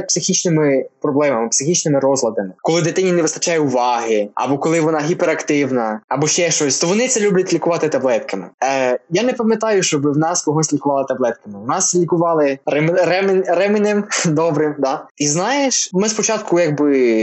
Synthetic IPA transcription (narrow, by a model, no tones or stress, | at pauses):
psɪxʲit͡ʃnɪmɪpɾɔblˠɛmɐmɪpsɪxʲit͡ʃnɪmɪɾɔzlˠɐd̪ɐmɪkɔlˠɪd̪ɪt̪ɪnʲːinɛʋɪst̪ɐt͡ʃɑjɛʊʋɑɦɪɐ̰bɔkɔlˠɪʋɔnɑɦʲipeɾɐkt̪ɪwnɐɐbɔʃt͡ʃɛʃt͡ʃɔsʲt̪ɔʋɔnɪt̪sɛlʲublʲɐtʲlʲikʊʋɑt̪ɪt̪ɐblˠɛt̪kɐmɪ̰janɛpɐmʲjɐt̪ɑjʊʃt͡ʃɔbɪwnɑskɔɦɔsʲlʲikʊʋɑlˠɐt̪ɐblˠɛt̪̚kɐmɪwnɑslʲikʊʋɑlˠɪɾɛmɾɛmɪnɪmd̪ɔbɾɪmd̪ɑiznɑjeʃmɪspɔt͡ʃɑt̪̚kʊjɐɡbɪ